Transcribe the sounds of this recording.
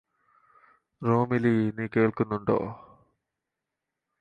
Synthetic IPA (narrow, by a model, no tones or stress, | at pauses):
ɾoːmiliniːkeːɭkunːuɳɖo̰ː